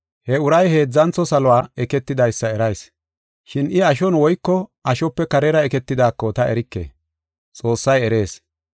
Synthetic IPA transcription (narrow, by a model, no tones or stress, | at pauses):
hɛʊɾɐjhe̞ːd͡zːɐnt͡sːɔsɐlʊwaːɛkɛt̪ːɪd̪ɐjsːɐɛɾɐjs | ʃɪnɪɐʃ̬ɔnwɔjkːɔɐʃɔpːɛkɐɾɛɾɐɛkɛt̪ːɪd̪aːkːɔt̪ɐʔɛɾɪkːḛː | t͡sʼo̞ːsːɐjɛɾe̞ːs